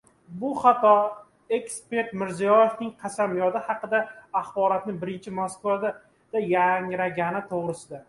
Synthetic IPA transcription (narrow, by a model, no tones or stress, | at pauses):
bʊχɑt̪ʰɒ | e̞kspe̞ɾt̪mɪɾzijɒjefnɪŋqʰɑsamjɒd̪ɪhɑqɨd̪aːχbɒɾat̪nɪbɪɾɪnt͡ʃʰɪmoskvad̪a | d̪̥ajaŋɾaɡʲanɪt̪ʰoʁɾɪsɪd̪a